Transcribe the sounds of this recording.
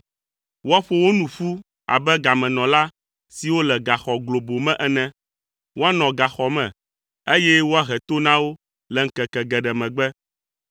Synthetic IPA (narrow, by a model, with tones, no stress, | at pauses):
wo˦a˦ɸo˦wo˦nũ˨ɸu˦ | a̰˨bɛ˦ɡa˨mɛ̃˨nɔ̃˨la˦ | si˨wo˦lɛ˨ɡa˨xɔ˨ɡlo˨bo˨mɛ̃˦ʔɛ˦nɛ̃˦ | wo˦a˦nɔ̃˨ɡa˨xɔ˨mɛ̃˨ | e˦jɛ˦wo˦a˦ɦɛ˨t̪o˦nã˦wo˦ | lɛ˨ŋ̩˨kɛ˨kɛ˨ɡɛ˨ɖɛ˨mɛ̃˨ɡ͡bɛ˦